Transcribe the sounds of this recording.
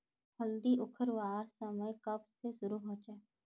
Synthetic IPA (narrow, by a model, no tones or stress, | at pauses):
hʰəld̪iʔʊkʰəɾʋaːɾsəməjkɐbsesʊɾuɦõːd͡ʒaː